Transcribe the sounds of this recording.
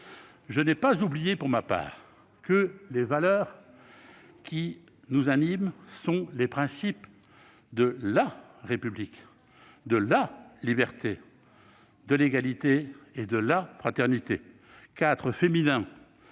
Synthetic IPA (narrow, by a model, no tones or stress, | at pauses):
ʒənɛpazublijepuʁmapa̰ːʁ | kəlevalœːʁ | kʲi | nuzanimsɔ̃lepχɛ̃sip | d̪əla | ʁepyblik | d̪əlalibɛʁt̪e | d̪əleɡalit̪eed̪əlafχat̪ɛʁnit̪e | kat̪χəfeminɛ̃